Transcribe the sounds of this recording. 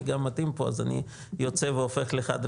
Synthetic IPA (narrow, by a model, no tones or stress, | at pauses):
ɡamːat̪impo̞a̰zanḭ | jot͡se̞veofe̞χleχa̰d̪ɾ